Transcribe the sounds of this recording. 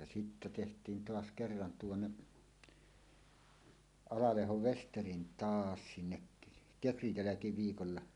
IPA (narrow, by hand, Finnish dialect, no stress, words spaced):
jɑ sitːæ tehtˑiːn toɑs kerːɑn tuonːe ɑlɑlehoʋ ʋesterin tɑːs sinːek kekrij jælækiʋiːkolːɑ